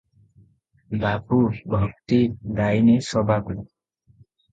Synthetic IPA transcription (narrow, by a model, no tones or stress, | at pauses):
bapubʱʌk̚t̪id̪ajnesʌbʱaku